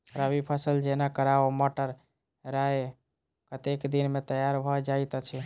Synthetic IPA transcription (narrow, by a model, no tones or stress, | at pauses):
ɾəbipʰasəld͡ʒenakəɾaomoʈəɾ | ɾae | kət̪ekd̪inmet̪əjaɾbʱɔd͡ʒajt̪ət͡ʃʰɛ